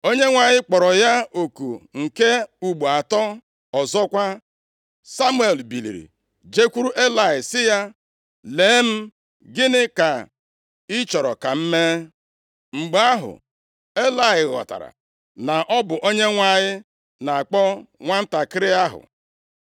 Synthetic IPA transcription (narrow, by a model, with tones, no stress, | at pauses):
o˦ɲe˦ŋʷa˨ɲɪ˦k͡pɔ˨ɾɔ˨ja˦o˨kṵ˨ŋ̩˨ke˦u˨ɡ͡bu˨a˨tɔ˦ | ɔ˨zɔ˦kʷa˦ | sa˦mu˦e˨lbi˨lḭ˨ɾḭ˨ | d͡ʒe˦kʷu˦ɾu˦ʔe˦la˨ɪ˨sɪ˦ja˦ | leː˨˦e˦m̩˦ | ɡɪ˦nɪ˦ka˨ | ɪ˦t͡ʃɔ˨ɾɔ̰˨ka˨m̩˦me˦ | ŋ͡m̩˨ɡ͡ba˦ɦʊ̰˨ | e˦la˨ɪ˨ɣɔ̰˨ta̰˨ɾa̰˨ | na˨ʔɔ˦bʊ˨ʔo˦ɲe˦ŋʷa˨ɲɪ˦ | na˨a˨k͡pɔ˦ŋʷa˦n̩˦ta˨kɪ˦ɾɪ˦a˦ɦʊ̰˨